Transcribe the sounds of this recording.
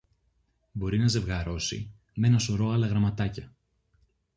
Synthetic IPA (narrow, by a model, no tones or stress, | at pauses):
bo̞ɾinɐze̞vɣɐɾo̞sḭ | me̞nɐso̞ɾo̞ɐlɐɣɾɐmɐt̪ɐcɐ